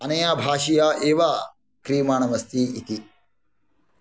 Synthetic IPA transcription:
ɐnɐjaːbʱaːʃijaːʔeːʋaː | kɾiːmaːɳɐmɐst̪ʰiːit̪i

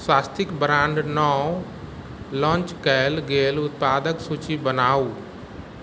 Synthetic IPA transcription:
swaːst̪ɪkbɾãːɳɖnɔ | lɔ̃ːt͡ʃkəelɡeːlʊt̪̚paːd̪əksuːt͡ʃibənaːuː

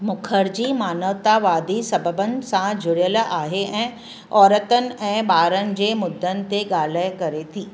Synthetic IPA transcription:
mʊkʰəɾd͡ʑiːmaːnəʋt̪aʋaːd̪isɐbəbənɪ̆sãd͡ʑʱʊɽjəlaːɦeʔɛ̃ː | ɔːɾət̪ənɪ̆ɛ̃ːɓaːɾənɪ̆d͡ʑeːmʊd̪ʱːənɪ̆t̪eɠaːl̤əjkɐɾet̪ʰiː

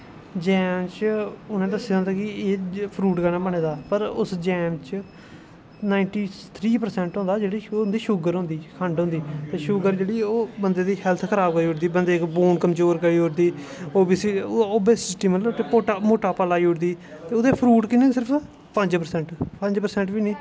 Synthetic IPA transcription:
d͡ʒɛːmt͡ʃʊnẽːd̪əsːeːɦõnd̪aːkɪeːpʰɾuːʈɡənãːbəɳeːd̪aːpəɾʊsd͡ʒɛːmt͡ʃ | naːɪɳʈiːt̪ʰɾiːpəɾsɛ̃ɳʈɦõnd̪aːd͡ʒeːɽiːoːnd̪iːʃʊɡəɾɦʊ̃nd̪iːkʰəɳɖɦʊ̃nd̪iːt̪eːʃʊɡəɾd͡ʒeːɽiːoːbənd̪eːd̪iːɦɛlt̪ʰkʰəɾaːbɡaːioʈd̪iːbənd̪eːkboːnkəmd͡ʒoːɾkəɽiːoɾd̪iː | oːbisiːoːbesɪsʈiːməloːt̪eːpoːʈamoːʈaːpaːlaːiʊːʈd̪iː | t̪eːʊd̪eːpʰɾuːʈkineːsɪɾəpʰ | pəɲd͡ʒpəɾsɛɳʈpəɲd͡ʒpəɾsɛ̃ɳʈbiːnĩː

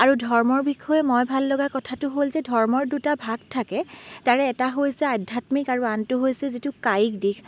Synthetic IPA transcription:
aɹudʱɔɹmɔɹbixʰɔjɛmojbʱalːɔɡakɔtʰatʊɦolzɛdʱɔɹmɔɹdutabʱaɡ̚tʰakɛtaɹɛːtaɦojsɛadʱatmikaɹuantʊɦojsɛzitukajikdikʰ

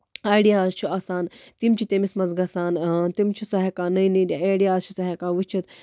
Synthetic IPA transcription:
aːjɽijaːzt͡ʃʰuasaːnt̪imt͡ʃʰit̪emismɐzɡɐsaːnt̪imt͡ʃʰusɐɦekanɐjnidiaːjɽijaːzt͡ʃʰusɐɦekaːʋɨt͡ʃʰit̪

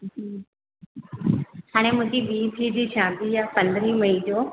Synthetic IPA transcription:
haːɽ̃emʊ̃ɦd͡ʑiɓiːt̪ʰid͡ʑiʃãːd̪ijapɐ̃nd̪ɾiməid͡ʑoː

